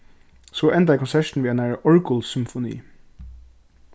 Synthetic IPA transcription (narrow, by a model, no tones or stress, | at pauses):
soːʔɛnd̪əæɪkʰɔnsɛʃn̩ʋiːænæɹʔɔɹkʊlsʏmfʊnḭː